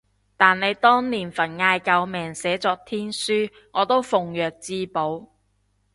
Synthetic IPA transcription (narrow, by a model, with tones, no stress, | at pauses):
t̪aː˨nːe˨˧jt̪ɔː˥ŋniː˨˩nfɐ˨˩nŋaː˧jkɐ˨˧wmɛː˨˩ŋsɛː˨˥t͡sɔː˧k̚t̪ʰiː˥nsyː˥ | ŋɔː˨˧t̪o˥wfʊ˨ŋjœː˨k̚t͡siː˧po˨˥w